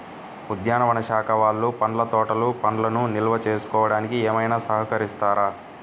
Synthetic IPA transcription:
ud̪ʱjaːnɐʋɐnɐʃaːkʰɐʋaːlːupɐɳlɐt̪ɔːʈɐlupɐnlɐnunilʋɐt͡ʃeːsu̥kɔːʋɐɽaːnikiɛːmɐjnaːsɐɦɐkɐɾist̪aːɾaː

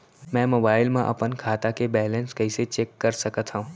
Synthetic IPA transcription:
mɛ̃ːmoːbaːɪlmãʔɐpənkʰaːt̪akebɛːlẽnskɐiset͡ɕeːkːɐɾsɐkət̪ʰɦãũː

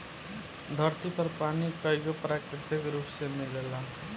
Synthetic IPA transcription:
d̪ʱʌrt̪ipʌrpanikʌjɡopɾakɾit̪ikɾupsemiɡela

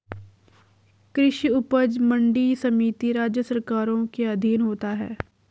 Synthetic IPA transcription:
kɾɪʃiʊpəd͡ʒmə̃ɳɖisɐmiːt̪iɾaːd͡ʒjəsəɾkaːɾõkeɐd̪ʱiːnɦoːt̪aɦɛ̰ː

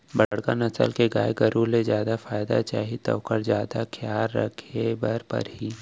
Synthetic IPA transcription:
bɐɽka̰nɐsə̰lkeɡaːjɡəɾulezjaːd̪afaːjd̪a̰t͡ʃaːɦit̪ɔ̰ːkəɾzjaːd̪akʰjaːɾːə̰kʰebəɾpə̰ɾɦiː

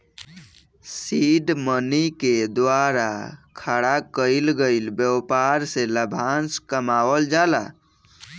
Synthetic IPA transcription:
siɖməniked̪waɾa̰kʰaɽakəjlɡəɪlbjəpaɾseləbʱanskəmawəld͡ʒala̰

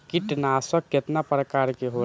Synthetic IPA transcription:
kiʈnaːsəkket̪napɾəkaːɾkeɦo

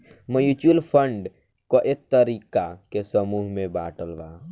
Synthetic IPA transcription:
məjut͡ʃulpʰəɳɖ | koʔet̪ːəɾiːkakesəmuːɦmẽbaːʈəlʋa

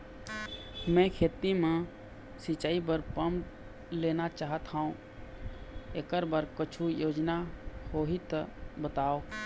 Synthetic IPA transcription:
mɛ̃kʰeːt̪imẽ | sɪt͡ʃaːibəɾpəm | leːnat͡ʃaːɦət̪ɦãːũ | ekəɾbəɾkət͡ʃʰujoːd͡ʒnahoːɦit̪əbət̪aːoː

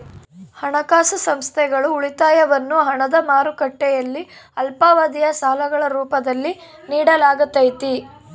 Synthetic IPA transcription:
hɐɳɐkaːsɐsɐmst̪ʰɛɡɐɭuːɭit̪aːjɐʋɐnːuɦɐɳɐd̪ɐmaːɾukɐʈːɛjɐlːiɐlpaːʋɐd̪ijɐsaːlɐɡɐɭɐɾuːpɐd̪ɐlːi | niːɽɐlaːɡɐt̪ːɐjt̪i

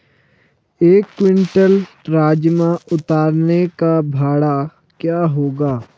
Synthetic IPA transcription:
eːkːwɪ̃ɳʈəl | ɾaːd͡ʒmãʊt̪aːɾnekabʱaːɽa | kjaːɦoːɡaː

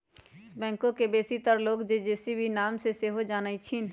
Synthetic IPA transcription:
bɛ̃ːŋkõkebeːsit̪əɾloːkd͡ʒed͡ʒeːsibʱinaːmseseːɦod͡ʒaːnəit͡ʃʰin

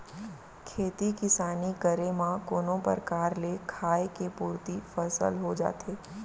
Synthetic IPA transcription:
kʰeːt̪ikɪsaːnikəɾemãkoːnõpə̰ɾkaːɾlekʰaːekepuːɾt̪ifəsə̰lɦod͡ʒa̰ːt̪eː

